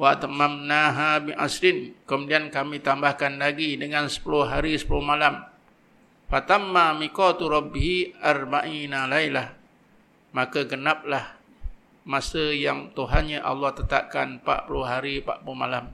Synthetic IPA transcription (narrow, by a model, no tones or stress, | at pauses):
waʔt̪mamnaɦabɪnʔa̰sɾɪnkəmudiankamĩt̪ambahkanlaɡidəŋansə̥pulʊɦaɾisə̥pulʊhmalam | fat̪amːamikɔt̪uɾɔbɦiarbaʔinalailah | makaɡənap̚lah | masəjaŋt̪uɦanɲaʔa̰lːɑht̪ət̪a̰p̚kanpa̰ʔpulʊɦaɾipa̰ʔpulʊhmalam